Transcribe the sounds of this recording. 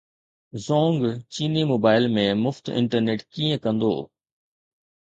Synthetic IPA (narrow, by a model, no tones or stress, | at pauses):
zɔːŋɡt͡ɕiːnimoːbaːɪlmẽmʊft̪ɪ̰̃ɳʈəɾneːʈkiːə̃kɐ̃nd̪o̰ː